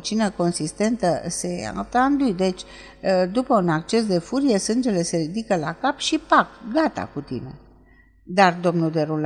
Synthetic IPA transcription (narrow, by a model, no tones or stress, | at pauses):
t͡ʃinəko̞nsist̪e̞nt̪əse̞a̰t̪and̪ujd̪e̞t͡ʃʲ | d̪upəunak̚t͡ʃe̞sd̪e̞fuɾije̞sɨnd͡ʒe̞le̞se̞ɾid̪ikəla̰kapʃipak̚ɡat̪a̰kut̪ḭne̞̰ | d̪ard̪o̞mnuld̪e̞ɾul